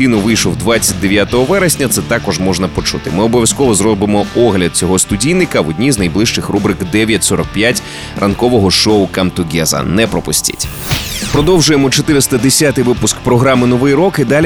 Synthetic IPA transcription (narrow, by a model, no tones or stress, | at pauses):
inʊʋɪjʃlˠɔwd̪ʋat͡sʲːɐt̚ʲd̪e̞ʋʲjat̪ɔɦɔʋɛɾesʲnʲɐt̪sɛt̪ɑkɔʒmɔʒnɐpɔt͡ʃut̪ɪmɪɔbɔʋʲjɐskɔʋɔzɾɔbɪmɔɔɦlʲɐd̪̚t͡sʲɔɦɔst̪ʊdʲijnɪkɐʋɔdʲnʲiznɐjblˠɪʃt͡ʃɪxrubɾɪkd̪ɛʋʲjɐtʲsɔɾɔk̚pjatʲ | rʔɐnkɔʋɔɦɔʃɔʊkɐmt̪ʊɡʲɛzɐ̰nɛpɾɔpʊsʲtʲɪ̰tʲ | pɾɔd̪ɔwʒʊjemɔt͡ʃɔt̪ɪɾɪst̪ɐd̪esʲat̪ɪjʋɪpʊskpɾɔɦɾɑmɪnɔʋɪjɾɔkɪd̪ɑlʲ